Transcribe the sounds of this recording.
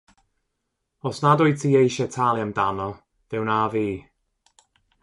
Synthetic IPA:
ɔsnadʊjtʰiːejʃɛtʰalˠjamdanɔ | ð̥ɪwnaːviː

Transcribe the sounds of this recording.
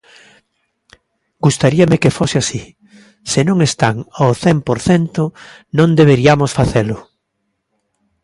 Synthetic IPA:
ɡ̥ust̪aɾiamɪkefosɪasi | sɪnõŋest̪aŋawθɛmpoɾθɛnt̪ʊ | nõnd̪eβ̞eɾiamʊsfaθelʊ

